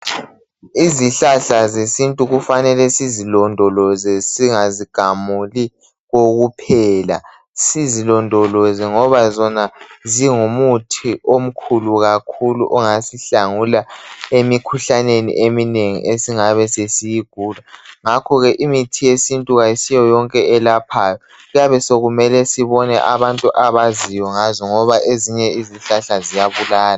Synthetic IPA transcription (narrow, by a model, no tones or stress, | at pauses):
iziɬaɬazesintʼuɣufanɛlɛsizilɔndʱɔlɔzɛsiŋaziɡ̥ʱamuli | ɣoɣupʰɛla | sizilɔndʱɔlɔzɛŋɔβazɔnaziŋumutʰiʔom̩kʰuluɣakʰulṵʔɔŋasiɬaŋulaemikʰuɬanenḭʔemineŋḭʔesiŋaβɛsesijiɡ̥ʱuːlaŋakʰɔɣɛʔimitʰijesintʼuɣajisijɔjɔŋkʼɛɛlapʰaːjɔ | ɣujaβɛsoɣumɛlɛsiβɔnɛʔaβantʼuʔaβazijɔŋazɔŋɔβaʔeziɲɛiziɬaɬazijaβulaːla